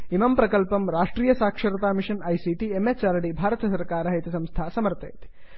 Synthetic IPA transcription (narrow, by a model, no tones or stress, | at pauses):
imɐmpɾɐkɐlpɐmɾaːʂʈɾiːjɐsaːkʂɐɾɐt̪aːmiʂɐnɐjsiʈiemet͡ʃaːɾɐɽibʱaːɾɐt̪ɐsɐɾkaːɾɐɦɐjt̪ɐsɐ̃mst̪ʰaːsɐmɐɾt̪ḛːt̪i̥